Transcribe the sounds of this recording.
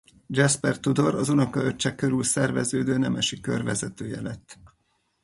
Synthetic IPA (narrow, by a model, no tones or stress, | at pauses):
d͡ʒɛspɛrt̪ud̪o̞ɾɒzunokɒøt͡ʃːɛkːø̞ɾylsɛrvɛ̰zøːd̪øːnɛmɛʃikːø̰rvɛzɛt̪øːjɛlɛt̪ː